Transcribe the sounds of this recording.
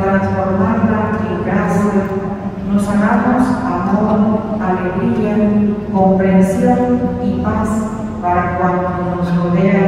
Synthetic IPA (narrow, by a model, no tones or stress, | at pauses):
t̪ɾansfoɾmaɾlaeŋkɾasiɾa | nosakamosat̪oðoaleɣɾiɾakompɾensjonipas | paɾakwant̪onoskoðea